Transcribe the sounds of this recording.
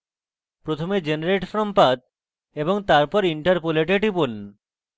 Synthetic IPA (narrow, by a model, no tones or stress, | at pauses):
pɾot̪ʰomed͡ʑenaɾeʈfɾɔmpad̪̚ | eboŋt̪aɾpɔɾiɳʈaɾpoleʈeʈipun